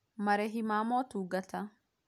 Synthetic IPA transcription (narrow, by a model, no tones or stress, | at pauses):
mɐɾɛɦɪmaːmoːt̪uːɡɐt̪ɐ